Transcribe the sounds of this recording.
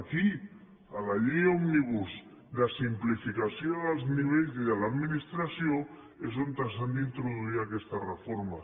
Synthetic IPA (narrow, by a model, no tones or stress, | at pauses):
aki | alaʎejomniβ̞uz | d̪asimplifikasjoðalzniβ̞eʎziðelaðminist̪ɾasjo | ezont̪asand̪int̪ɾoðuiɾakest̪arefoɾma